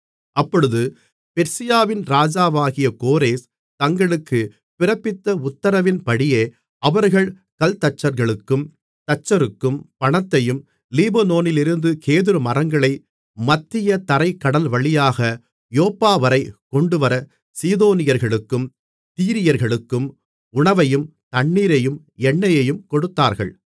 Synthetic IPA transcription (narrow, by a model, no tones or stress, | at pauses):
ʔɐpːɔɻɯðɯ | pɛɾsɪjaːʋɪnɾaːd͡ʒaːʋaːɣɪjɐkoːɾeːs | t̪ɐŋɡɐɭɯkːɯ | pɪrɐpːɪt̪ːɐʊt̪ːɐɾɐʋɪnpɐɽɪjeː | ɐʋɐɾɣɐɭ | kɐlt̪ɐt͡ʃːɐɾɣɐɭɯkːɯm | t̪ɐt͡ʃːɐɾɯkːɯmpɐɳɐt̪ːɐjɯm | liːbɐnoːnɪlɪɾɯnd̪ɯkʰeːðɪɾɯmɐrɐŋɡɐɭɐɪ | mɐt̪ːɪjɐt̪ɐɾɐɪkːɐɽɐlʋɐɭɪjaːɣɐ | joːpːaːʋɐɾɐɪkɔɳɖɯʋɐɾɐ | siːðoːnɪjɐɾɣɐɭɯkːɯm | t̪iːɾɪjɐɾɣɐɭɯkːɯm | ʊɳɐʋɐjɯm | t̪ɐɳːiːɾɐjɯm | ɛɳːɐjɐjɯmkɔɽɯt̪ːaːɾɣɐ̰ɭ